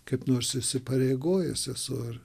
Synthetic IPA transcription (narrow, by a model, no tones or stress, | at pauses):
kɐɪpnoːrsɪʃʲsʲɪpɐɾʲeɪɡoːjɛsɛsʊɪr